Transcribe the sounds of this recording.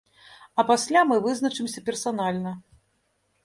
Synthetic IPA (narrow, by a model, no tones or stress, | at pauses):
ɐpasʲlʲamɨvɨznɐt͡ʂɨmsʲɐpʲɛrsanalʲnɐ